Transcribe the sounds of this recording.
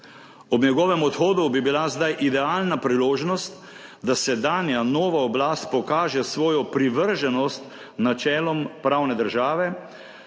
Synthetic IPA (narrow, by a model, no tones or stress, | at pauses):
ɔbɲɛɡɔːʋɛmɔt̪xoːd̪ubibilazd̪ajʔid̪ɛaːlnapɾiloːʒnɔst̪ | d̪asɛd̪aːnijanoːʋaɔblaːst̪̚pɔkaːʒɛsʋɔːjɔpɾiʋəɾʒɛnɔst̪ | nat͡ʃɛːlɔmpɾaːwnɛd̪əɾʒaːʋɛ